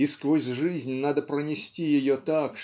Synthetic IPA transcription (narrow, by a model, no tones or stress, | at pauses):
iskvosʲʐɨzʲnʲnad̪əpɾənʲɪsʲtʲijɪjot̪akʂ